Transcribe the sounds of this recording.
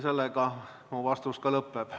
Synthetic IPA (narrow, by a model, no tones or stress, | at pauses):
se̞lːeɡɑ | muvɑst̪uskɑlɤpːeb̥